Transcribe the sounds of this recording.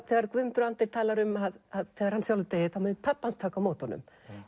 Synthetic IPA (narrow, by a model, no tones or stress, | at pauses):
θɛɣaɾkvʏmt̪ʏɾant̪ɪ̥t̪ʰaːlaɾʏmaðaðθɛːɣaɾhansjawlʏt̪ejɪθaamɛnɪt̪pʰapːanst̪ʰaːkawmowt̪ɔnːʏ̰m